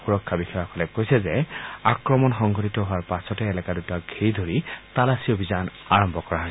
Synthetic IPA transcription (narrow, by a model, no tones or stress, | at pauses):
xuɹɔkʰːabixɔjɔkɔlɛkojsɛzɛakɹɔmɔnxɔŋɡʱɔtitɔɦʊaɹpasɔtɛːlɛkadutaɡʱiɹidʱoɹitalasiobʱizan | aɹɔmbʱɔkɔɹaɦɔjs